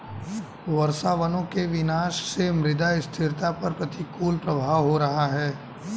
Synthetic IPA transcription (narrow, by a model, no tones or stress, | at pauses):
ʋɐɾsaːʋənõkeʋɪnaːʃsemɾɪd̪aɪst̪ʰɪɾt̪apɐɾpɾɐt̪ikuːlpɾɐbʱaːʋɦoɾɐɦaɦɛː